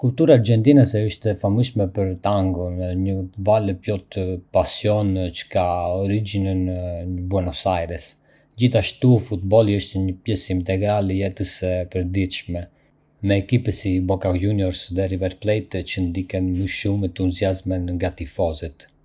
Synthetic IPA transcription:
kult̪uɾaːɾɟɛnt̪inəsɛəʃt̪ɛfaməʃmɛpəɾt̪aŋɡɔnɲəvaləpjɔt̪əpasjɔnt͡ʃə̥kaɔɾid͡ʑinənəbɔnɔsajɾɛs | d͡ʑiθaʃt̪ufut̪̚bɔliəʃt̪ɛɲəpjɛsint̪ɛɡɾaljɛt̪əsɛpəɾd̪it̪ʃmɛ | mɛːkipɛsibɔkajunjɔɾsðɛɾivɛɾplɛjt̪t͡ʃənd̪ikɛnməʃumɛt̪uziazmɛnŋɡat̪ifɔzit̪

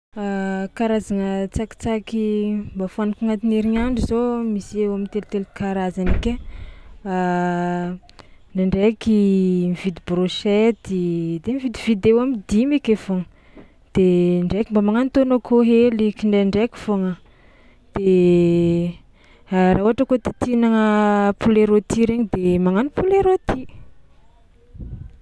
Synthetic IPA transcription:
akaɾazaŋət͡saki̥t͡sakimbafanakuŋat̪ineɾiɲaɳɖ͡ʐizomisewamint̪elt̪elkaɾazanike | a | naɳɖ͡ʐekimivid̪ibroʃɛt̪id̪emivid̪ivid̪ewamid̪imikefoŋə | d̪̥eɳɖ͡ʐekimbamaŋanit̪onokʰoɦelikiɳɖ͡ʐeɳɖ͡ʐekʲi̥foŋə | d̪̥e | ɾauɦaʈ͡ʂəkot̪i̥t̪inaŋəpuleɾot̪iɾeɲid̪emaŋanipuleɾot̪ʰi

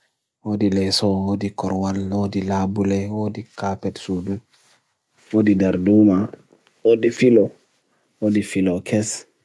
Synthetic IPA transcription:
wodilɛsɔodikɔɾwalodilabulɛwodikapɛtsudu | wodidaɾduma | wodifilɔ | wodifilɔkʰɛs

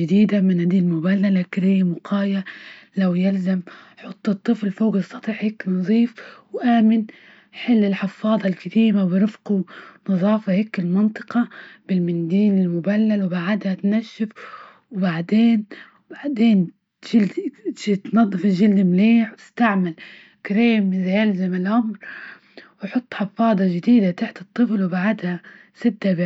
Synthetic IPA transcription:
ɪd̪iːd̪amɪnad̪iːmʊbalːalhakɪɾɪjːamʊqʰɑːjalawjalzamħʊt̪ˤːɨt̪ˤːɨflfoːɡɨsˤːɑt̪ˤiːħheːkːnɑðˤiːfwʔaːmɪn | ħɪlːɪlħɪfɑːðˤɑlkat̪iːmawɪɾɪfqunɨðˤɑːfɑheːkːɪlmɪnt̪ˤɨ̥qɑb̥ɪlmɪnd̪iːnɪlmʊbalːalwbaʕad̪hat̪naʃːɪf | wbaʕd̪eːn | baʕd̪eːn | ʒɪlit̪nɑðˤːɨfɪʒɪld̪ɪmleːħwtɪ̥st̪aʕmal | kaɾeːmːɪzajalzamalʔʊmɾ | wħʊt̪ˤːħɑfɑːd̪ˤɑʒɪd̪iːd̪at̪aħt̪ɨt̪ˤːɨflwbaʕad̪ha | sɪd̪ːab

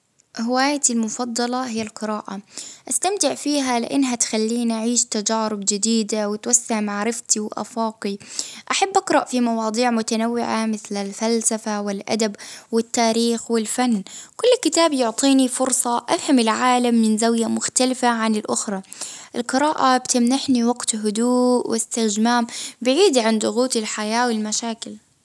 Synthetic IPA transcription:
hɪwaːjatɪlmʊfɑd̪ˤːɑlɑɦɪjːalqɨɾaːʔaʔast̪amt̪ɪʕfiːɦalɪ̰ʔɪnːɦat̪xalːiːnʔaʕiːʃt̪ad͡ʒaːɾɪbd͡ʒɪd̪iːd̪awɪt̪wasːɪʕmaʕɾɪft̪iwɪʔa̰fɑːqiʔaħabːʔɑqɾˤɑʔfimɑwɑːd̪ˤiːʕmʊt̪anawːɪʕamɪθlɪlfalsafawɪlʔa̰d̪abwɪt̪ːaːɾiːxwɪlfanːkʊlːkɪt̪aːbjʊʕt̪ˤiːnifʊɾsˤɑʔafhamɪlʕaːlamːɪnzawjamʊxt̪alɪfaʕanɪlʔʊxɾˤɑʔɪlqɨɾaːʔabt̪ɪmnaħniwaɡt̪ɦʊd̪uːʔwɪst̪ɪd͡ʒmaːmbɪʕiːd̪iʕand̪ʊɣuːt̪ɪlħajaːwɪlmaʃaːkɪl

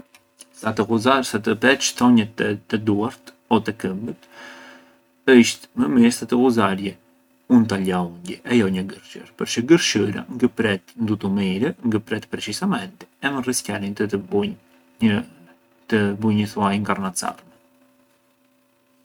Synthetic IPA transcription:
st̪at̪əkuzaɾsat̪əpɛt͡ʃθɔɲɛt̪t̪ːɛd̪uaɾt̪ | ɔt̪ɛkəmbət̪ | əʃt̪məmist̪at̪əkuzaɾjɛ | unt̪aʎauɲɟɛʔɛjɔɲəɡəɾʃə̰ɾpəɾʃəɡəɾʃəɾa̰ŋɡəpɾɛt̪nd̪ut̪umiɾɛŋɡəpɾɛt̪pɾɛt͡ʃisamɛnt̪i̥ɛməriscjalin | t̪əbuɲəθuajŋkarnat͡sa̰rmɛ

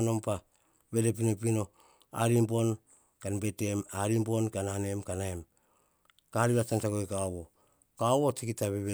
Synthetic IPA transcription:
no̞mpa | βe̞depino̞pino̞ | a̰ɾimbo̞n | kanbete̞maɾimbo̞nkanane̞mkanaem | kaɾiβatantaɡojkawo | kawotikitaβeβe

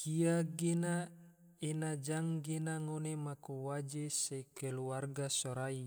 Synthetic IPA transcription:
kiaɡena | enad͡ʒaŋɡenaŋonemakuwad͡ʒesekeluarɡasoɾai

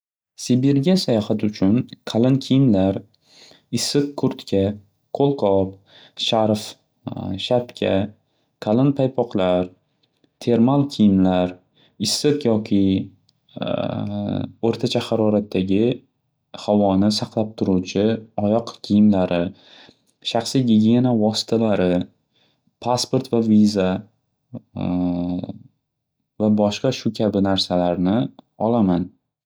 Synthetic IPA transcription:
sibeɾɡʲasajɒhat̪ʊt͡ʃʰʊnkʰalɪnkʲʰijɪmlaɾ | ɪsɨqkʰːʊɾt̪kʲʰa | kʰolˠqʰɒp̚ | ʃaɾf | ʃapkʲʰa | kʰalɪnpʰajpʰɒqlˠaɾ | t̪ʰe̞ɾmalˠkʲʰijɪmlaɾ | ɪsːɨqjɒkʲʰɪ | oɾt̪ʰat͡ʃʰahaɾɒɾat̪ʰːaɡʲɪ | havɒnɪsaqlˠap̚t̪ʰʊɾut͡ʃʰɪɒjɒqkʲʰijɪmlaɾɪ | ʃaχsijɡʲiɡʲienavɒsɪ̥t̪ʰalaɾɪ | pʰaspoɾt̪vaviza | vabɒʃqɑʃʊkʲʰabɪnaɾsalaɾnɪ | ɒlaman

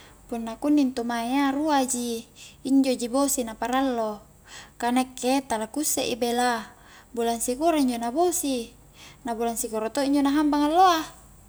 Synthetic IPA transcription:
punːakunːint̪umaiaɾuad͡ʒiːɲd͡ʒod͡ʒibosinapaɾalːo | kanɛkːet̪alakusːeʔibela | bulansikoɾaiɲd͡ʒonabosi | nabulansikoɾat̪oiɲd͡ʒonaɦambaŋalːoa

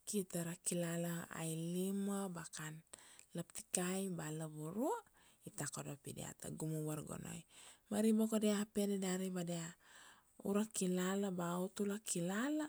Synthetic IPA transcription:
kitaɾakilalaa̰jlimabakanlapti̥kajbalaβuɾu | itako̞dopidḛa̰ta̰ɡumuwaɾɡo̰no̞̰jmaɾibakodeapededaɾibadea | ṵɾakilalabautulakilala

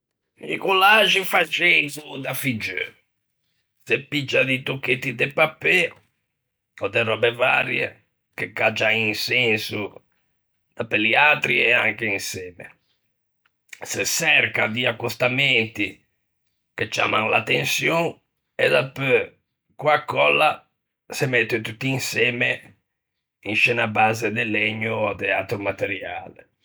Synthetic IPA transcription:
ḭkɔlad͡ʒifad͡ʒezud̪afid͡ʒːø̰ | sepːid͡ʒːad̪it̪okːet̪ːid̪ɛpapːɛ | ɔd̪ɛrɔbɛva̰ɾjɛ̰ | kekːad͡ʒainsɛnsu | d̪̥apɛliat̪ɾiɛaŋkeinsɛːmɛ̰ | sesɛrkad̪iakːust̪amɛnt̪i | ket͡ʃːa̰ːmaŋla̰t̪ensjɔŋ | ɛd̪apə | kwakːɔlːa | semɛt̪ːet̪ut̪ːiinsɛːme | inʃɛːnabːaːzed̪elːɛɲːuad̪ɛat̪ɾumat̪eɾja̰ːle

